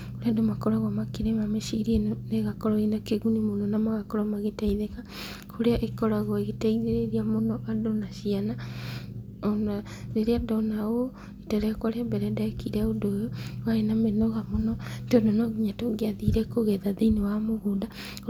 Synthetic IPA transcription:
koɾeadomakɔɾɔɣamakeɾemameʃiɾieneɣakɔɾɔinakeɣunimonɔnamaɣakɔɾɔmaɣetaiðeka | kʰoɾeaʔekɔɾaɣɔeɣetaiðeɾeɾiamonɔʔadonaʃiana | ɔna | ɾeɾeadɔnao | itaɾeakwaɾeabɛɾɛdakiɾɛodojowaenamenɔɣamonɔtɔndonɔɡiɲatoɡeaðiɾɛkoɣɛðaðeinewamoɣoda

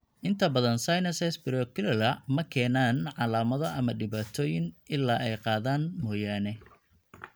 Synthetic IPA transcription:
ʔɪnt̪ʰɐbɐðɐnsajnɐsɛsbɪɾɔkʰɪlɐlɐmɐkʰɛːnaːnʕɑlaːmɐðɔʔɐmɐɖɪβaːt̪ʰɔːjɪnʔɪlːaːʔɛjqɑːðaːnmɔːjaːnɛ

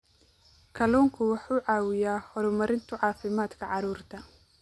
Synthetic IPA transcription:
kʰɐlɔːŋkʰʊwɑħuːʕɑːwɪjaːhɔɾʊmɐɾɪnt̪ʰʊʕɑːfɪmaːd̪kʰɐʕɑɾuːrt̪ʰɐ

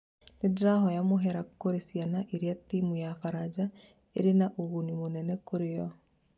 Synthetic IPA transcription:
nedɾaɦɔjamoɦɛɾakoɾesjanaʔeɾeatimujafaɾad͡ʒa | ḛɾenaʔoɣunimonɛnɛkoɾejɔ

